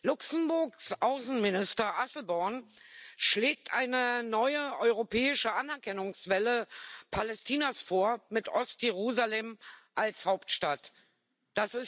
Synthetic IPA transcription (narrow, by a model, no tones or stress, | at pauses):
lʊksm̩bʊɐksʔaʊsn̩mɪnɪstɐʔasl̩bɔɐnʃlɛːk̚tʔaɪnənɔʏəʔɔʏʁopʰɛːɪʃəʔanɛɐkʰɛnʊŋsv̥ɛləpʰalɛstʰiːnasfoːɐmɪtʔɔstjeʁ̞uːzaleːmʔalshaʊptʃtat | d̥asɪs